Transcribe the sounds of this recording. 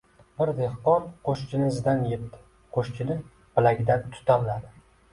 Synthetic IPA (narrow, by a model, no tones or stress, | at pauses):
bɪɾd̪ehqɒnqʰoʃt͡ʃʲʰɪnɪzɪd̪anjep̚t̪ɪ̥ | qʰoʃt͡ʃʰɪnɪ | pɪlaɡʲɪd̪ant̪ʰʊ̥t̪ʰawlad̪ɪ